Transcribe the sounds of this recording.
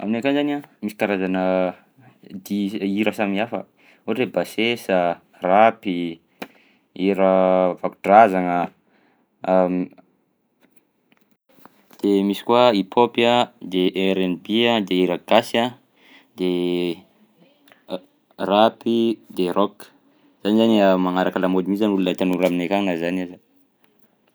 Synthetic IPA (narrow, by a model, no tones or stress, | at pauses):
a̰minekanzaniamisikaɾazanə | d̪iiɾəsamiafə | uɾebasesə | rapi | iɾəvakuʈ͡ʂazaŋə | d̪̥emisi̥kwaipʰopjəd̪eʔeɾenbiad̪eiɾəɡ̥asa | d̪e | rapid̪erʔɔk | z̥anizanəmaŋaɾakəlamod̪imizanulunat̪anuɾaminekaŋnazanaza